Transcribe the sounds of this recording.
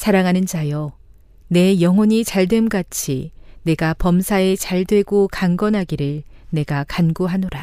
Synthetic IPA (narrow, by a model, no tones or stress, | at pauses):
sʰaɾaŋɦanɯnd͡ʑajʌ | ne̞jʌŋwʌɲit͡ɕaɭdwe̞mɡat͡ɕʰḭne̞ɡapʌmsʰae̞t͡ɕaɭdwe̞ɡokaŋɡʌnɦaɡiɾɯɭ | ne̞ɡakanɡoɦanoɾa